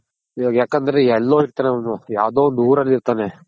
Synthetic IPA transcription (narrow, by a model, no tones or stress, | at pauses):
iɡjaːkɐnd̪ɐɾeɛlːo̞ːiɾt̪aːneɐnːujaːʋd̪oːond̪uuːɾɐlːiɾt̪aːne